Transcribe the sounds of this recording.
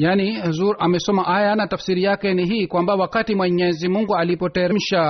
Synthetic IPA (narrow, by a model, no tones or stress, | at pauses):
janiɛzuɾamɛsɔmaʔajanatafsiɾijakɛniɦiːkwambawakatimwɛɲɛzimuŋɡualipɔtɛɾɛm̩ʃa